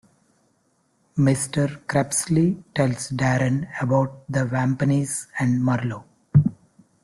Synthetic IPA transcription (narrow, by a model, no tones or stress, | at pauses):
mɪsʈəɾkɾɛpsliʈɛlsɖæːɾə̃nəbaʊʈ̚d̪əʋæ̃mpəniːzæ̃ɳɖmʌɾloː